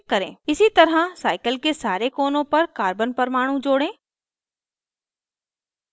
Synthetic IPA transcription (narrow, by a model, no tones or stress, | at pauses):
kːɐɾḛ̃ːɪsit̪ɐɾasaːɪkəlkesaːɾekoːnõpɐɾkaːɾbənpɐɾmaːɽ̃ũd͡ʒoːɽẽː